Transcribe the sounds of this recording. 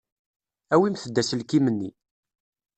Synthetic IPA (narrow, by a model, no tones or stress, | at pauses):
æwimθəd̪ːæsəlkimənːi